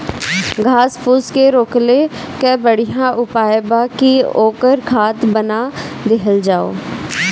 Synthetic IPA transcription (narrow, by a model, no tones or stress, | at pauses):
ɡʱaːspʰʊskeɾoːklekɛbəɽijãʔʊpaːjbakioːkəɾkʰaːt̪bənad̪eɦəld͡ʒaːo̰ː